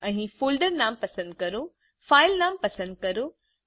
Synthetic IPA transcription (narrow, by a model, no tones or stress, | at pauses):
ɐ̃ĩfuːlɖəɾnaːmpɐsə̃nd̪̚kɐɾũ | faːɪlnaːmpɐsə̃nd̪̚kɐɾũ